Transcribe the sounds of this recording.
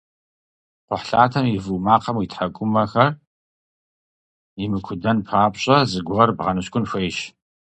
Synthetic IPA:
qʷʊħɬaːtʰɐmivuːmaːqɐmwitʰħaɡʷʊmɐxɐr | imɨkʷʰʊdɐnpʰaːpɕʼɐzɨɡʷʊʁɐrbʁɐnɨɕkʷʼʊnxʷejʃ

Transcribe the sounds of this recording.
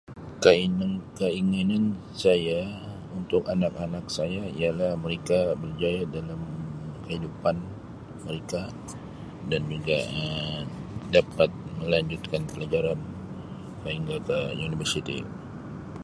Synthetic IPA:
kəinkəiŋinan | saja | unt̪ʊkanak̚anak̚sajaijalahməɾekabərd͡ʒajadalamkəhidupan | məɾeka | dand͡ʒuɡa̰ə | dapat̪̚məlaɲd͡ʒut̪̚kanpəlad͡ʒaɾan | saɦiŋɡakəunibərsit̪ḭ

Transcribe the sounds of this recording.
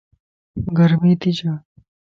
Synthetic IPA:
ɡəɾmiːt̪it͡ɕaː

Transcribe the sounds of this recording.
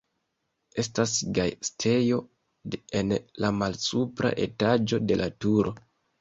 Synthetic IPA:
e̞stasɡajstʰe̞jo̞ | enlamalsupɾa̰ʔe̞tad͡ʒo̞de̞lʔatuɾo̞

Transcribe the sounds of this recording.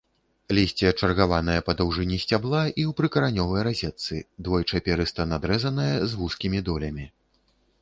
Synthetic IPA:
lʲisʲt͡sʲiɐt͡ʂɐrɣavan̪ɐjɐpɐd̪ɐwʐɨnʲisʲt͡sʲablˠaʔiwpɾɨkɐɾanʲɔvɐjɾazʲɛt̪sɨd̪vɔjt͡ʂapʲɛɾɨst̪ɐnad̪ɾɛzɐnɐjɐzɣuskʲimʲid̪ɔlʲɐmʲi

